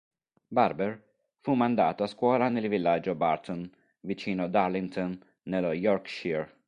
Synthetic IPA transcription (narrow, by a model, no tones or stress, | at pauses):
baɾbɛɾ | fuːmand̪a̰ːt̪askwɔːɾanɪlvɪlːaːd͡ʒɔbaɾt̪ɔn | vit͡ʃiːnɔd̪aɾlɪnt̪ʰɔnː | ɛlɔjɔɾkʃiɾ